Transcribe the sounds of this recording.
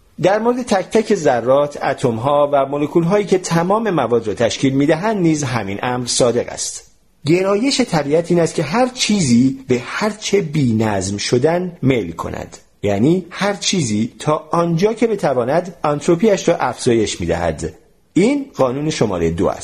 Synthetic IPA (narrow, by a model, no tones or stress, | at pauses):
d̪æɾmo̞ɾed̪et̪ʰæcʰt̪ʰæcʰe̞zærːɒːt̪ʰæ̰t̪ʰo̞mɦɒːvæmolekʰuːlɦɒːjiːcʰe̞t̪ʰæmɒːme̞mævɒːd̪ɾɒːt̪ʰæʃciːlmiːd̪æɦænd̪niːzɦæmiːnʔæmɾsɒːd̪e̞ɣæ̰st̪ | ɟe̞ɾɒːje̞ʃe̞t̪ʰæbiːæt̪ʰiːnæst̪̚cʰe̞ɦæɾt͡ʃʰiːziːbehæɾt͡ʃʰe̞biːnæzmʃo̞d̪ænmelkʰo̰nʔæ̰d̪̥ | jæːniːhæɾt͡ʃʰiːziːt̪ʰɒːʔɒnd͡ʒɒːcʰe̞be̞t̪ʰævɒːnæd̪ɒnt̪ʰɾo̞pʰiæʃɾɒːʔæfz̥ɒːje̞ʃmḭːd̪æ̰hæ̰d̪ | iːnɢɒːnuːne̞ʃo̞mɒ̰ːɾejed̪oæ̰s